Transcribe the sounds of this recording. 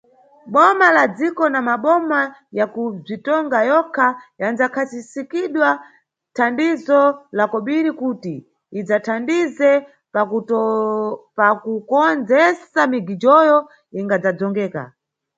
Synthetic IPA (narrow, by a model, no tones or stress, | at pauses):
ɓɔmalad͡zikɔnamaɓɔmajakub͡ʐitɔŋɡajɔkʰajand͡zakʰasisikiɗwa | tʰandizɔlakɔɓiɾikutiː | d͡zatʰandizɛ | pa | pakukɔnd͡zɛsamiɡid͡ʒɔjɔ | iŋɡad͡zad͡zɔŋɡɛːka̰